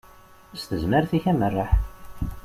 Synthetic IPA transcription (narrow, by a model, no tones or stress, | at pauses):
st̪əzməɾθiçæmərːaħ